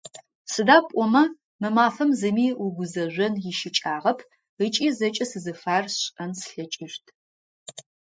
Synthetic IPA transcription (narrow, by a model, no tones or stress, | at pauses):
sɨdaːpʷʼɔmɐ | mɨmaːfɐmzɨmiːʊɡʷʊzɐʒʷɐnjɪʃɪt͡ʃʼaːʁɐpʰ | ət͡ʃʼiːzɐt͡ʃʼɐsɨzɨfaːrɕʼɐnsɬɐt͡ʃʼɪʃtʰ